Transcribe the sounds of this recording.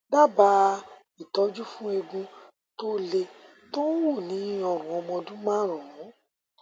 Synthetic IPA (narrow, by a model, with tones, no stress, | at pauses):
da˦˨ba˧˦ | i˨tɔ˨˦d͡ʒu˦fũ˦e˧ɡũ˧ | to˦le˧ | to˦wo˦˨nĩ˨˦ɔ˨ɾ̃ũ˨ɔ˧mɔ̃˧dũ˦mã˦˨ɾɔ̃˨˦